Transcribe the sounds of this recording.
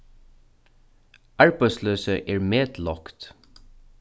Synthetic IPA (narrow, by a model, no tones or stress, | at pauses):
ɑɹbæɪsløːsəʔeːɹmeːd̪lɔkt̪